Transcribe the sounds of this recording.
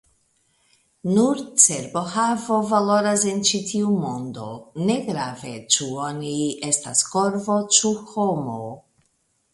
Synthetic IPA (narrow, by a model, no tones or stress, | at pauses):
nuɾt͡seɾbo̞havo̞valo̞ɾasent͡ʃitiumo̞ndo̞ne̞ɡɾave̞t͡ʃuo̞nie̞stasko̞ɾvo̞t͡ʃuhomo̞